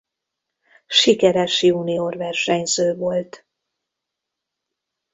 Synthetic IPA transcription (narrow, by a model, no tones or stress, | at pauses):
ʃikɛɾɛʃjuniorvɛrʃɛɲzøːvo̞lt̪